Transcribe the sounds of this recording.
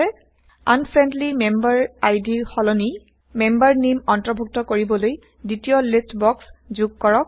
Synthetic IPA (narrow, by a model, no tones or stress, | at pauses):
ɛ | anpʰɹɛndlimembaɹajdiɹxɔlɔni | mɛmbaɹnimɔntɹɔbʱuk̚tɔkoɹibɔloj | ditijɔlistbɔkszuɡkɔɹɔk̚